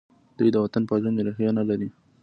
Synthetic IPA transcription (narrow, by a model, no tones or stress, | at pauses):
d̪̥ujd̪əwat̪anpazaneɾaxjanalaɾi